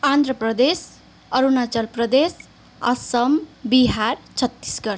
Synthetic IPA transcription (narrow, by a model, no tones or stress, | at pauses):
and̪ɾʌprʌd̪es | ʌɾunat͡sʌlprʌd̪es | ʌ̰sʌmbiɦart͡sʰʌt̪ːi̥sɡʌɾ